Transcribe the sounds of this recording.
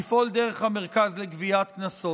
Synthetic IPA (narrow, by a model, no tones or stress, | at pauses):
ifo̞ld̪eʁeχhameʁ̞kazleɡviat̪knaso̞